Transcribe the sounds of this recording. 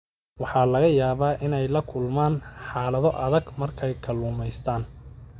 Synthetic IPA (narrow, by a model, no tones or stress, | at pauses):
wɑħɑːlɐɣɐjaːβaːʔɪnɛjlɐkʰʊlmaːnħɑːlɐðɔʔɐðɐɡmɐrkʰɛjkʰɐluːmɛjst̪ʰaːn